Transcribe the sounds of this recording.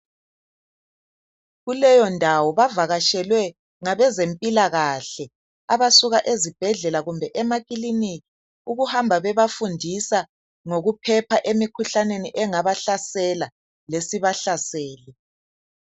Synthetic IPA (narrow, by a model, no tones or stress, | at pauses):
ɣulɛjɔndʱawɔβavaɣaʃɛlwɛ | ŋaβɛzempʼilaɣaɬɛ | aβasuɣaʔezib̥ʱɛɮɛlaɣumbʱɛʔɛmaɣʼilinii | uɣuhambʱaβɛβafundʱisa | ŋoɣupʰɛpʰaʔemikʰuɬaneniʔɛŋaβaɬasɛla | lesiβaɬasɛːli